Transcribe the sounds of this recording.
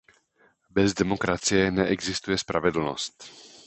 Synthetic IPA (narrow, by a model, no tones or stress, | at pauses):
bɛzdɛmo̞kɾat͡sɪjɛnɛʔɛɡzɪst̪ujɛspɾʔa̰vɛdl̩no̰st̪